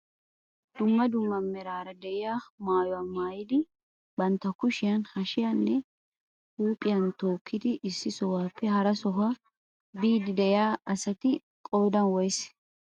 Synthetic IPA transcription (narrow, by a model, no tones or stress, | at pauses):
d̪̥ʊmːɐd̪ʊmːɐmːɛɾaːɾɐd̪ɛʔɪjaːmaːjɔwamaːjɪd̪ɪ | bɐnt̪ːɐkʊʃɪjɐnhɐʃɪjɐnːɛ | huːpʼɪjɐnt̪o̞ːkːɪd̪ɪʔɪsːɪsɔwaːpːɛɦɐɾɐsɔɦaː | biːd̪ɪd̪ɛɪaːʔɐsɐt̪ɪ | kʼo̞ːd̪ɐnwɔjs